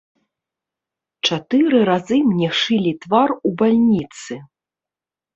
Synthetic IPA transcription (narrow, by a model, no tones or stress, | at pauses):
t͡ʂat̪ɨɾɨɾazɨmnʲɛʂɨlʲit̪varubalʲnʲit̪sɨ